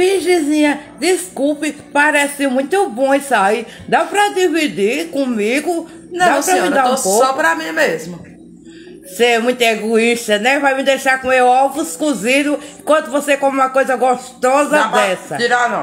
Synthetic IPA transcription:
biʒizĩɲɐd̪iskuwpɪ̃ | paɾɛsiwmũj̃t̪ʊbõĩsai | d̪apɾɐd̪ivid̪ikõmiɡʊ | nɐ̃dãɾmĩd̪aɾuposɔpɾɐmĩmezmʊ | seɛmũj̃t̪ʊeɡoiʃt̪ɐnɛvajmɪd̪ejʃaɾkõewawvʊskuzĩnʊɪ̃kwɐ̃t̪ʊvosekõũmɐkojzɐɡoʃt̪ɔzɐd̪ɛsɐd͡ʒiɾanɐ̃

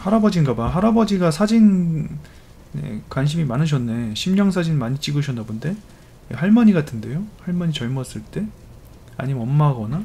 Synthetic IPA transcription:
haɾabʌd͡ʑinɡabaɦaɾabʌd͡ʑiɡasʰad͡ʑin | ḛkwanɕ̬ʰimimanɯɕ̬ʰʌnːe̞ɕʰimɲʌŋsʰad͡ʑinmaɲit͡ɕ͈iɡɯɕʰʌnːabonde̞ | ehaɭmʌɲiɡatʰɯnde̞johaɭmʌɲit͡ɕʌɭmʌs͈ɯɭt͈e̞ | a̰ɲimeʌmːaɡʌna

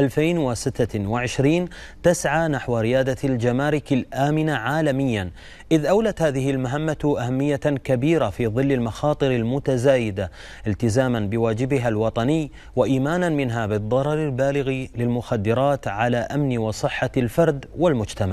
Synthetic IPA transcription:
ʔalfeːnwɪsɪt̪ːawɪʕɪʃɾiːn | t̪asʕaːnaħwɾɪjaːd̪ald͡ʒamaːɾɪkalʔaːmɪnaʕaːlamɪjːan | ʔɪðʔawlat̪haːðɪɦɪlmaɦamːaʔahamːɪjːakabiːɾafiːðˤɨlːɪlmɑxɑːt̪ˤɨɾɪlmʊt̪azaːjɪd̪a | ʔɪlt̪ɪzaːmanbɪwaːd͡ʒɪbɪɦalwɑt̪ˤɑnɪjː | waʔiːmaːnanmɪnɦabɨðˤːɑɾˤɑɾˤɪlbaːlɪɣilɪlmʊxad̪ːɪɾɑːt̪ʕalaʔamnwɪsˤɨħːalfɑɾˤd̪wɪlmʊd͡ʒt̪amaʕ

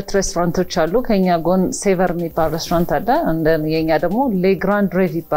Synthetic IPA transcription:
t̪ɾest̪oɾant̪ʰo̞t͡ʃːalːukʰəɨɲːaɡonsevəɾəmibalɾest̪oɾant̪ʰalːəɨnd̪əjɛɨɲːad̪əɡmo̞leɡɾand̪ɾeviba

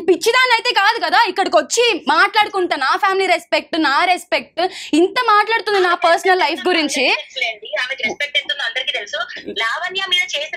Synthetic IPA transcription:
pit͡ʃːid̪aːnɐjt̪e̞ːkaːd̪ukɐd̪aːikːɐɽɐkot͡ʃːimaːʈlaːɽukuɳʈɐnaːpʰjaːmiliːɾespek̚ʈnaːɾespek̚ʈint̪ɐmaːʈlaːɽut̪und̪inaːpɐɾsɐnɐlːɐjpʰɡuɾiɲt͡ʃileːɳɖiaːmekiɾespek̚ʈent̪und̪iɐnd̪ɐɾikiːt̪elusulɛːʋɐnːiamiːnɐt͡ʃeːs

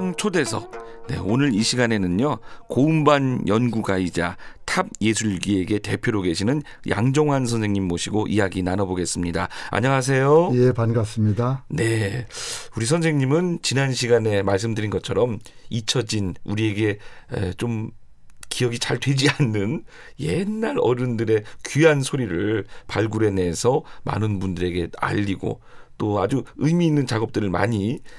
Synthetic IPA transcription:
ŋt͡ɕʰode̞sʰʌ̰k̚ | ne̞̰onɯɾiɕʰiɡane̞nɯnɲokoumbanjʌnɡuɡaid͡ʑa̰tʰab̚je̞sʰuɭɡie̞ɡe̞te̞pʰjoɾoɡe̞ɕʰinɯn | jʔa̰ŋd͡ʑʌŋɦans̬ʰʌnsʰe̞ŋɲimːoɕʰiɡoʔijaɡinanʌboɡe̞s͈ɯmɲida̰a̰ɲʌŋas̬ʰe̞jojepanɡas͈ɯmɲidane̞ | uɾisʰʌns̬ʰe̞ŋɲimɯnt͡ɕinanɕʰiɡane̞maɭs̬͈ɯmdɯɾinɡʌtt͡ɕʰʌɾʌmit͡ɕʰʌd͡ʑinuɾie̞ɡe̞et͡ɕom | kiʌɡit͡ɕaɭdwe̞d͡ʑianːɯn | je̞nːaɾʌɾɯndɯɾe̞kyɦansʰoɾiɾɯɭpaɭɡuɾe̞ne̞ːsʰʌma̰nɯnbundɯɾe̞ɡe̞a̰ʎːiɡo̰ | t͈oad͡ʑuɯmiːnːɯnt͡ɕaɡʌp̚t͈ɯɾɯɭma̰ɲi

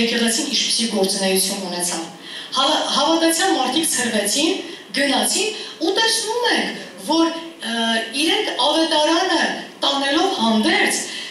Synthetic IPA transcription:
ɛkʰɛʁɛt͡sʰinint͡ʃʰpi̥siɡɔɾt͡sunɛjut͡sʰjununɛt͡sʰɑv | hɦɑvɑd̪ɑt͡sʰjɑnmɑɾt̪ʰikʰsʰəɾvɛt͡sʰin | ɡənɑt͡sʰinut̪ɛsnumɛŋkʰ | vɔɾ | iɾɛŋkʰɑvɛt̪ɑɾɑnət̪ɑnɛlɔvhɑnd̪ɛɾt͡sʰ

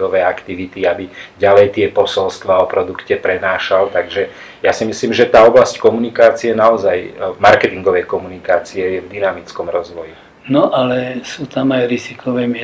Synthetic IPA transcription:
ɔʋɛːakt̪iʋit̪iabiɟalɛjt̪ɪɛpɔsɔlst̪ʋaɔpɾɔd̪ukcɛpɾɛnaːʃalt̪aɡʒɛ | jasimisliːmʒɛt̪aːɔblasckɔmunikaːt͡siɛnaɔzajmaɾkɛt̪iŋɡɔʋɛjkɔmunikaːt͡siɛjɛvd̪inamit͡skɔmɾɔzʋɔji | nɔʔalɛsuːt̪amajɾizikʰɔʋɛmɪɛ

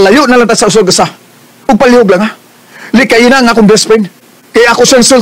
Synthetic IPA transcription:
lajʊʔnalaŋt̪asaʔʊs̬oɡasa | ʊɡ̚palihʊɡlaŋa | lɪʔkajinaŋakʊŋbɛspɪn | kajakʊsɛnsʊl

